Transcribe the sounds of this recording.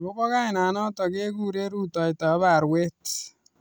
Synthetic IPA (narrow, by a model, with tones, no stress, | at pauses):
bo˦kɔ˦ka˦jna˨nɔ˦t̪ɔ˨ɡe˦ɡu˦ɾe˦ɾu˦t̪ɔ˨jt̪a˨˦βa˨ɾwe˦t